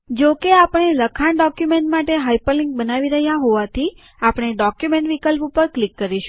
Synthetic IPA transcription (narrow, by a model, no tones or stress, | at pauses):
d͡ʒokeapəɽ̃eləkʰaɳɖɔkjumeɳʈmaʈeɦajpəlĩŋk̚bənaʋiɾəɦjaɦoʋat̪ʰi | apəɽ̃eɖɔkjumẽɳʈʋikəlpupəɾklikːəɾiʃũ